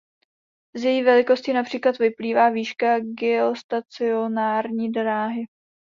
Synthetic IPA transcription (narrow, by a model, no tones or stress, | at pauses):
zjɛjiːvɛlɪko̞scinapr̝̥iːklat̪vɪpliːvaːviːʃkaɡɪost̪at͡sɪonaːɾɲiːdɾaːɦɪ